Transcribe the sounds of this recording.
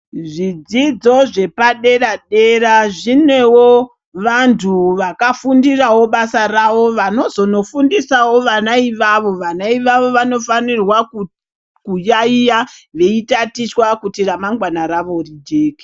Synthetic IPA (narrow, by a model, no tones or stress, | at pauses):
ʐid͡zid͡zo̞ʐe̞paɗe̞raɗe̞raʐinwe̞wo | ʋantʰuʋakafundirawo̞ɓasaraʋo̞ʋano̞zo̞no̞fundisawo̞ʋanaiʋaʋo̞ʋanaiʋaʋo̞ʋano̞fanirwaku | kujaijaʋe̞itatiswakutiramaŋɡwanaɾaʋo̞rid͡ʒeːki̥